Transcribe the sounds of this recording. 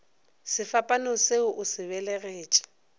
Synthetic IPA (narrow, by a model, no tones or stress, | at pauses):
sɪfapʼanɔseʊʔʊsɪβɛlɛɣeːt͡ʃʼḁ